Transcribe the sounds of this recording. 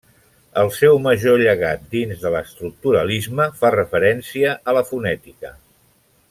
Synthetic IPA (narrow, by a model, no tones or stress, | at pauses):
əlˠsɛwməʒoʎəɣat̪̚d̪inzðələst̪ɾuk̚t̪uɾəlizməfarəfəɾɛnsiəʔələfunɛt̪ikə